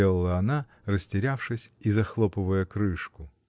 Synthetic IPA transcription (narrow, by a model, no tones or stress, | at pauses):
elˠəlˠəɐna | rəsʲtʲɪɾʲafʂɨsʲizɐxlˠopɨvəjəkɾɨʂkʊ